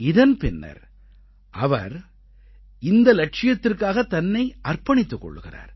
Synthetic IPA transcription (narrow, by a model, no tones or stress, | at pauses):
ɪðɐnpɪnːɐ̰ɾ | ʔɐʋɐ̰ɾ | ɪnd̪ɐlɐʈ̚ʂɪjɐt̪ːɪrkaːɣɐt̪ɐnːɐɪʔɐrpɐɳɪt̪ːɯkːɔ̰ɭːɯɣɪra̰ːɾ